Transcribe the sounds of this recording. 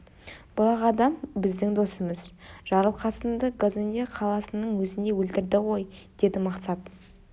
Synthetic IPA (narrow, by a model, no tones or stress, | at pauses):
b̥ʊlˠɑʁɑd̪ɑmbɪzd̪ɪŋd̪o̞səməzʒ̥ɑɾəlˠqʰɑsənd̪əɡozonʲeqʰɑlˠɑsənəɴwɵzɪnd̪e̞wɵlt̪ɪɾd̪ɪʁo̞jd̪̥e̞d̪ɪmɑqsɑt̪